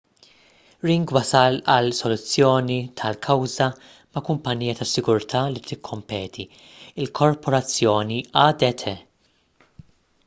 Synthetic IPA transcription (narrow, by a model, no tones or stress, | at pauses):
ɾiŋɡwɐsɐlɐlsɔlʊt͡sːjɔːnit̪ʰɐlkʰɐwzɐ | mɐkʊmpɐnːiːjɐt̪ɐsɪɡʊɾt̪ʰɐːlit̪ɪkʰːɔmpɛːt̪ʰi | ɪlkʰɔɾpɔɾɐt͡sːjɔːniɐd̪ɛt̪ʰɛ